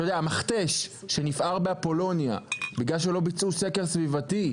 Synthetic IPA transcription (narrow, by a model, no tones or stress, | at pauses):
ojodeamaχt̪e̞ʃː | e̞nifaʁbeapo̞lo̞nja̰biɡlalʃ̬elo̞bit͡sʔuse̞ke̞ʁsvivati